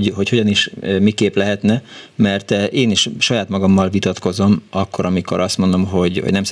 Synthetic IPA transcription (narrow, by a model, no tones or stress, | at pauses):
ɦo̞cho̞ɟɒniʃmikeːplɛɦɛt̪nɛmɛrt̪ʔeːniʃʃɒjaːt̪mɒɡɒmːɒlvit̪ɒt̪ko̞zo̞mɒkːo̞ɾɒmiko̞̰ɾɒst̪mo̞nd̪o̞mɦo̞ɟho̰ɟnɛms